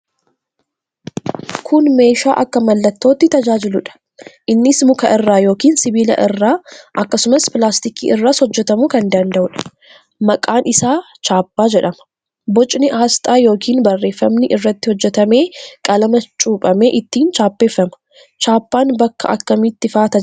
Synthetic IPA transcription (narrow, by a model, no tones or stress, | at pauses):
kʰʊnme̞ːʃa̰ːʔɐkːɐmɐlːɐt̪ːo̞ːt̪ːɪt̪ɐd͡ʒaːd͡ʒɪlʊᶑɐ̥ | ʔɪnːɪsmʊkɐʔɪrːaːjo̞ːkiːnsɪbiːlɐ̰ʔɪrːaːʔɐkːɐsʊmɐspɪlaːst̪ɪkḭːʔɪrːaːsɔd͡ʒːɛt̪ɐmuːkɐnd̪ɐnd̪ɐʔʊᶑɐ̥ | mɐkʼaːnɪsaː | t͡ʃaːpːaːd͡ʒɛᶑɐmɐ̥ | bɔt͡ʃʼnɪʔaːst̪ʼaːjo̞ːkʰiːnbɐrːe̞ːfːɐmnɪʔɪrːɐt̪ːɪhɔd͡ʒːɛt̪ɐme̞ːkʼɐlɐmɐt͡ʃʼuːpʼɐme̞ːʔɪt̪ːiːnt͡ʃaːpːe̞ːfːɐmɐ̥ | t͡ʃaːpːaːnbɐkːɐ̰ʔɐ̰kːɐmit̪ːɪfaːt̪ɐ